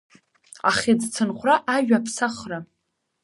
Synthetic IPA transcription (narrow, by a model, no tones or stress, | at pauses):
aχid͡zt͡sʰɨnχʷraʔaʒᶣapʰsaχra